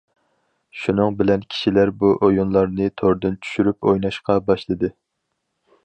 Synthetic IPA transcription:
ʃunɨŋbɪlɛnkʲʰi̥ʃilæɾbuʔojunlˠɑɾnɨt̪ʰoɾd̪ɨnt͡ʃʰy̥ʃyɾypʰojnɑʃqɑbɑʃlˠɨd̪ɨ

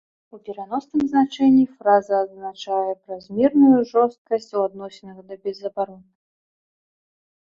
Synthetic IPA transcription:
upʲɛɾanɔsnɨmznat͡ʂɛnʲːifɾazɐːznat͡ʂajɛpɾɐzʲmʲɛrnujuʐɔst̪̚kɐsʲt͡sʲuad̪nɔsʲɛnɐɣɐd̪ɐbʲɛzɐbaɾɔn

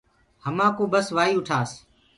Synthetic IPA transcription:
həmãːkõːbəsʋaːiːʊʈʰaːs

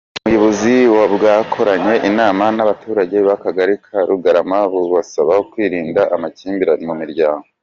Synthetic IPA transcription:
mujoβoziwabɡaːkʰo̞ɾaɲe̞ʔinaːmanaβatʰuːɾaɟe̞βakaɡaɾikʰaɾuɡaɾamaβuβasaβaokwiːɾiːndaʔamaciːmbiɾanimumiɾɟaːŋɡo

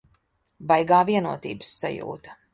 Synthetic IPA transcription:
bajɡaːviɛnuɔt̪ḭːbə̥sːa̰jṵːt̪ɐ̥

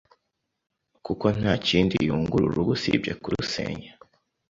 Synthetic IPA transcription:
kuko̞n̥haːciːndijuːŋɡuɾuɾuɡusḭbɟekuɾuusḛːɲa

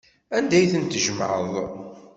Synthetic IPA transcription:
ænd̪æjθənt̪ʒəmʕəðˤ

